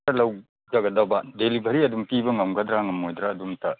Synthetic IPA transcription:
ɐlɐw | d͡ʒɐɡɐdawbɐdelibʱɐɾiɐdumpibɐŋɐwɡɐd̪ɾaŋɐmːojd̪ɾaːdumtɐ

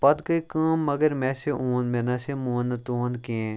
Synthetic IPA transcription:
pɐd̪kɐikãːmːɐɡəɾmɛ̃ːseʔoːnmɛ̃ːnɐsemoːnːət̪oːnkiẽː

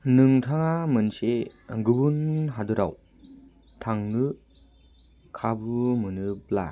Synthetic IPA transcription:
nɯŋtʰaŋamɯnseɡɯbunɦadɯɾaw | tʰaŋnɯ | kʰabumɯnɯbla̰

